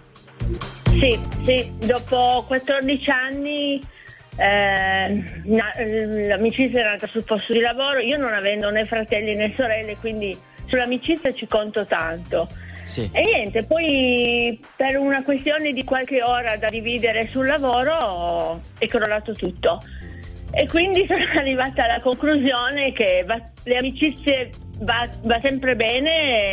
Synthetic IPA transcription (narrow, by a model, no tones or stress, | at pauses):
sisid̪ɔːpokwat̪ːɔrd̪it͡ʃianːi | nalamit͡ʃit̪sjaɛɾnaːt̪asulpɔst̪od̪ilavoːɾoiːononavɛnd̪onefɾat̪ɛlːinesoɾɛlːekwind̪i | sulːamit͡ʃit̪sːjat͡ʃikont̪ot̪ant̪o | enjɛnt̪epɔj | perunakwest̪joːned̪ikwalk̟eoːɾad̪ad̪iviːd̪eɾesulːavoːɾo | ɛkːoɾolaːt̪ot̪ut̪ːo | ekːwind̪isonoarːivaːt̪aalːakoŋkluzjoːnek̟eva | leamit͡ʃit̪sːje | vavasɛmpɾebɛːne